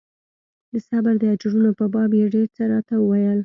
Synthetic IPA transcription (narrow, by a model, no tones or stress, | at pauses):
d̪əsabaɾd̪əad͡ʒɾunopəbɑbjeɖeɾt͡səɾɑt̪awəwajəl